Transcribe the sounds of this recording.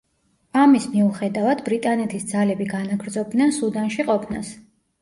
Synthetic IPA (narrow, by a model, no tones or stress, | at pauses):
amismiuχɛd̪avad̪bɾit̪ʼanɛt̪ʰisd̪zalɛbiɡanaɡɾd̪zɔb̚d̪nɛnsud̪anʃiqʼɔpʰna̰s